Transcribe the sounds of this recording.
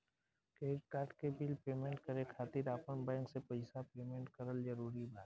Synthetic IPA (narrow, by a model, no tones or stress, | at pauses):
keːʈ̚kaːɾʈkebiːlpeːmẽːɳʈkəɾekʰaːt̪ɪɾaːpənbɛ̃ːŋksepɐɪsapeːmẽːɳʈkəɾəld͡ʒəɾuːɾibaːt̪